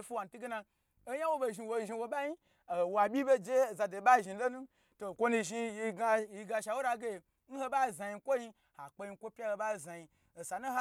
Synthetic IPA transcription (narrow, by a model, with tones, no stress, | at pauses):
fu˦wa˨n̩˨tu˦ɡe˦na˧ | o˦ja˦wo˦bo˧˨ʒi˧wo˧˨ʒi˧wo˧ba˦ji˦ | a˨wa˨bʲi˦be˦d͡ʒe˦˨za˧do˨ba˦˨ʒi˨˧lo˦nũ˦ | to˨kʷo˦nu˧ʒi˧ji˧ɡi˧ɡa˧ʃa˨wo˦ɾa˧ɡe˦˨ | n̩˦ho˦ba˦˨za˨ji˧˦kʷo˦ji˧ | ha˨k͡pe˧i˧˦kʷo˦pʲa˦ho˧˦ba˦˨za˨ji˧ | o˨sa˨nu˦ha˦